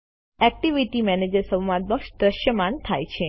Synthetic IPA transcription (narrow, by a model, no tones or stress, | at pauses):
ɛk̚ʈiʋiʈimɛned͡ʒəɾsə̃ʋmad̪ʋəkʃd̪ɾəʃjəmãnt̪ʰajt͡ʃʰe